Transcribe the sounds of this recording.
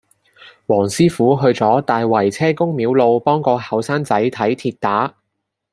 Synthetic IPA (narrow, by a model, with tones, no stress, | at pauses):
wɔː˨˩ŋsiː˥fuː˨˥ɦɵ˧ɥt͡sɔː˨˥t̪aː˨jwɐ˨˩jt͡sʰɛː˥kʊ˥ŋmiː˨˥wlo˧wpɔː˥ŋkɔː˧hɐ˨˧wsaː˥nt͡sɐ˨˥jt̪ʰɐ˨˥jt̪ʰiː˧t̚t̪aː˨˥